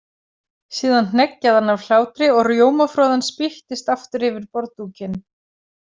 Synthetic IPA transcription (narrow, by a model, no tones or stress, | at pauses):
siːðann̥ɛcːaðanːavl̥aːwt̪ɾɪɔɣrjoːwmafɾɔːðanspɪht̪ɪst̪aft̪ʏɾɪvɪɾpɔɾt̪uːcɪn